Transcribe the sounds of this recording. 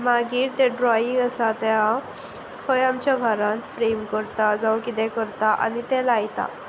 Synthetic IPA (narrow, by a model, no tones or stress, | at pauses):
maɡiːɾt̪ɛ̃ɖɾɔĩŋɡəsat̪ɛa | həjamt͡ɕjaɡʱəɾãt̪fɾemkəɾt̪ad͡zawkit̪ɛ̃kəɾt̪aʔa̰nit̪ɛ̃lajt̪a̰